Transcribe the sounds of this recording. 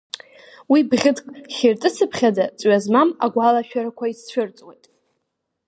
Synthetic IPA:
wibʁʲɪdkʼχʲertʼɨsʰɨpʰχʲadat͡sʼɥazmama̰ɡʷalaʃᶣaɾakʷʰaist͡ɕʷʰʊrt͡sʼwejtʼ

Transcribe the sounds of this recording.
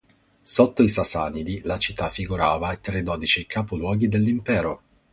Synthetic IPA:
sot̪ːoisasanid̪ilat͡ʃit̪ːafːiɡuɾaːvaet̪red̪ɔd̪it͡ʃikʰaːpulwɔːɡid̪elːimpɛːɾo

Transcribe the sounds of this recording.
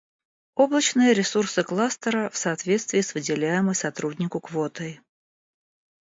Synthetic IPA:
o̞blˠət͡ɕnɨjəɾʲɪsursɨklˠast̪əɾəfsɐːt̪vʲe̞t̪st̪vʲɪːsvɨdʲɪlʲæjɪməjsɐt̪ɾudʲnʲɪkʊkvot̪əj

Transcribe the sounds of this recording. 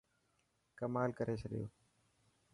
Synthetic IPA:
kəmaːlkəɾʔeːt͡ʃʰəɗɪjo̰ː

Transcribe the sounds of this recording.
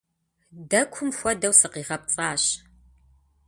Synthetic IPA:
dɐkʷʰʊmxʷɔdɐwsɨqiːʁɐp̚t͡sʼaːɕ

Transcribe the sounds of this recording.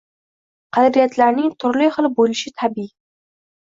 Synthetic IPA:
qʰɑd̪ɾijat̪laɾnɪŋt̪ʰʊɾliχɨlˠbolɪʃɪt̪ʰabi

